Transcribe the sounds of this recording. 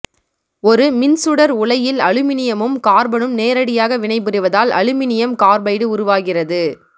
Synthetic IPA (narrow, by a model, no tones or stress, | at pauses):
ɔɾɯmɪnsɯɽɐɾʊɭɐjɪlɐɻɯmɪnɪjɐmɯmkaːɾbɐɳɯmneːɾɐɽɪjaːɣɐʋɪɳɐɪbɯɾɯʋɐðaːlɐ̰ɻɯmɪnɪjɐmkaːɾbɐɪɽɯʊɾʊʋaːɣɪrɐðɯ